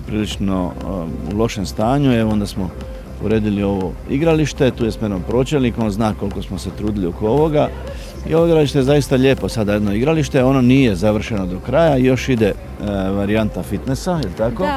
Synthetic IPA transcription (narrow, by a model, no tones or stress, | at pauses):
pɾiːlit͡ʃno̞ṵlˠo̞ʃe̞mst̪aːɲueʋoond̪asmo̞ | ṵɾe̞ːd̪ilio̞ʋo̞iɡɾaliʃt̪e̞t̪uːjesmoe̞d̪nompɾo̞ːt͡ɕelnikonznaːko̞lko̞smo̞se̞t̪ɾuːd̪iliokooʋo̞ɡa | ḭo̞ʋo̞iɡɾaliʃt̪e̞jezaist̪aʎe̞ːpo̞sad̪ajed̪noiɡɾaliʃt̪e̞o̞noniːje̞zaʋr̩ʃe̞no̞d̪o̞kɾajaijo̞ʃid̪e̞ | ʋaɾiant̪afit̪ne̞sailit̪ako̞